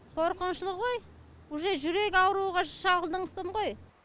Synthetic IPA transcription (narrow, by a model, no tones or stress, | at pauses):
qʰoɾqənʃəlˠəʁoj | ʊʒeʒʏɾe̞kʲɑwɾuʁɑʃɑlʁəlˠd̪əɴqʰə̥səmʁoj